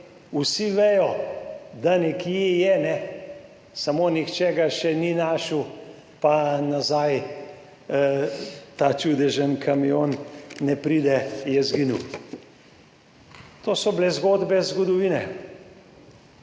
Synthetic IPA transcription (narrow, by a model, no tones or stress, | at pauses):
usiʋejɔd̪anɛkiɛjɛnɛ | samonixt͡ʃɛːɡaʃɛninaʃu | panazaj | t̪at͡ʃud̪ɛʒənkʰamioːnːɛpɾiːd̪ɛjɛzɡinuw | t̪oːsɔblɛzɡoːd̪bɛzɡɔd̪ɔʋiːnɛ